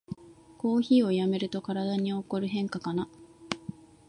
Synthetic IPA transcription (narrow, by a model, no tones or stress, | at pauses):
ko̞ːçiːo̞jame̞ɾɯ̟t̪o̞kaɾad̪aɲ̟io̞ko̞ɾɯ̟ɦẽ̞ŋkakana